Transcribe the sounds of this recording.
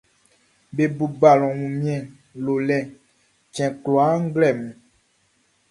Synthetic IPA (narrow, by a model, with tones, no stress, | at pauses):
be˨bu˨ba˨lɔ̃˨wũ˨mĩ˦ɛ̃˨ | lo˨lɛ̃˨ | t͡ʃɛ̃˨klo˨a˦ŋ̩˦ɡlɛ˦˨mũ˨